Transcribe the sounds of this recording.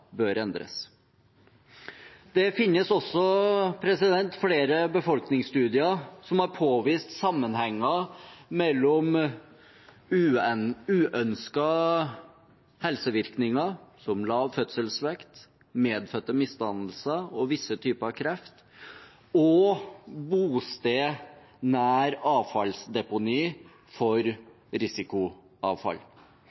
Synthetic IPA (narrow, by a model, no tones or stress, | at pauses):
bøːɾɛnd̪ɾə̰s | d̪̥ɛfɪnːəsɔsːɔpʰɾɛsɪd̪ɛnt̪fleːɾəbəfɔlknɪŋst̪ʉːd̪ɪəsɔmhɑɾpʰoːʋiːst̪sɑmːənhɛŋːɑmɛlːɔm | ʉːʔœnskɑ | hɛlsəʋɪɾknɪŋɑsɔmlɑːfœt̪səlsʋɛkt̪ | meːd̪fœt̪ːəmɪst̪ɑnd̪əlsəɔʋɪsːət̪ʰyːpəɾɑʋkʰɾɛft̪ | ɔ | buːst̪eː | næːɾɑːʋfɑlsd̪ɛpʊniː | fɔɾ | ɾɪsɪkʊ | ɑːʋfɑ̰l